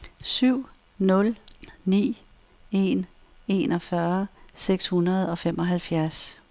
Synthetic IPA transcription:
syʊ̰ | nɔ̽lnḭː | e̝n | e̝nɒ̽fɶɐseɡ̥shunɐð̞̩ˠɒ̽femʔɒ̽ɦælfjæɐs

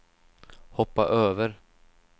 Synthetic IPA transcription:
hɔpːa̰ʔøːvəɾ

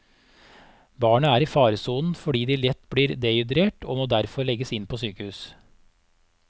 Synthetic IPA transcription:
bɑːɳəæːɾiːfɑːɾəsuːnn̩fɔɖiːd̪iːlɛt̪ːbliːɾd̪ɛʏd̪ɾeːʈʰoːmoːd̪æɾfɔɾɭɛɡəsɪnpʰoːsyːkəhʉːs

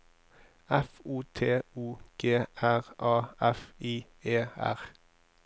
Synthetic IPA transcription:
æfuːt̪ʰeːuːɡ̥eːæʁʔɑːæfiː | eːæ̰ʁ

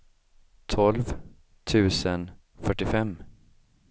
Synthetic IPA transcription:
t̪ʰɔlv | t̪ʰʉ̟ːsən | fœʈːɪfɛmː

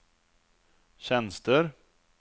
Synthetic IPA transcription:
ɕɛnst̪əɾ

